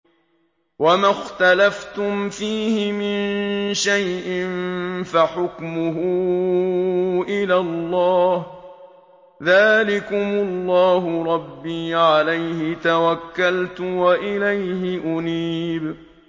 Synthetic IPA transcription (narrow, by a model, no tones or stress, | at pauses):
wamaxt̪alaft̪ʊmfiːhɪmɪnʃajʔɪnfaħʊkmʊɦʊː | ʔɪlalˤːɑːh | ðaːlɪkʊmʊlːɑːɦʊɾˤɑbːiːʕalajhɪt̪awakːalt̪ʊwaʔɪlajhɪʔʊniːb